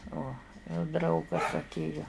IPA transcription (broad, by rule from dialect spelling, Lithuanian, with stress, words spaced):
uɔ jɛʊ ˈdrɐʊɡɐs ɐtʲˈeːjoː